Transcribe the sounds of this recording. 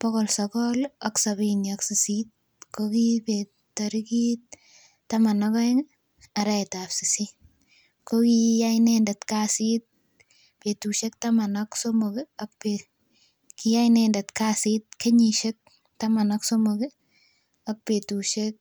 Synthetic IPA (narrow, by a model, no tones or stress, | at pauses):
pɔkɔlsɔkɔlɔksabinɔksisit̚ | kokipe | taɾikit | tamanɔkɔeŋ | aɾajtapsisi | kokijajnendatkasit̚ | petuʃek̚tamanɔksomokeakpe | kijajnendatkaːsit̚keɲiʃek̚ | tamanɔksomoki | ak̚petuʃek̚